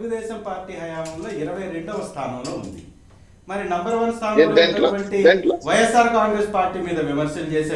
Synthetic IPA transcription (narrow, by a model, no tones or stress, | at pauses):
euɡud̪ɛːʃɐmpaːɾʈːiːɦɐjaːmɐmloːiɾɐʋɐjɾe̞ɳɖɐːʋɐst̪ʰaːnɐmloːund̪ḭ | mɐɾinɐmbɐɾʋɐnst̪ʰaːnɐmeɐʋɐɳʈieʋɐjɐsːaːɾkaːŋɡɾeːspaːɾʈːiːmiːd̪ɐʋimɐɾʃɐlut͡ʃeːseː